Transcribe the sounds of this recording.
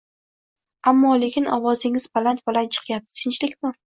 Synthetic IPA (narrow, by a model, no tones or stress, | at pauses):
amːɒle̞kʲʰɪnɒwɒzɪŋɪzbalant̪bɪlant͡ʃʰɨ̥qʰjap̚d̪ɪ̥t̪ʰɪnt͡ʃlɪkʲmɪ